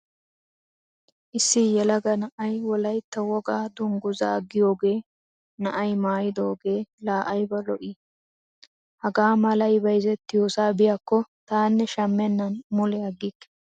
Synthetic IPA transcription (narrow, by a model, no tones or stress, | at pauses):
ʔɪsːɪjɛlɐɡɐnɐʔɐjwɔlɐjt̪ːɐwɔɡaːd̪ʊŋɡʊza̰ːɡːɪjo̞ːɡe̞ː | nɐʔɐjmaːjɪd̪o̞ːɡe̞ːlaːʔɐjbɐlɔʔɪ | hɐɡaːmɐlɐjbɐjzɛt̪ːɪjoːsaːbɪjakːɔt̪aːnːɛʃɐmːɛnːɐnmʊlɛɐɡːɪkː